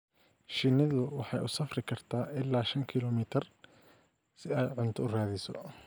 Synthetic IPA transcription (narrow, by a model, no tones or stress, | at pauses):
ʃɪnɐðʊwɑħɑjʔʊsɐfrɪkʰɐrt̪ʰaːʔɪlːaːʃɐŋkʰɪlɔːmɪt̪ʰɐr | sɪɛːjʕʊnt̪ʰʊʊraːðɪsɔ̰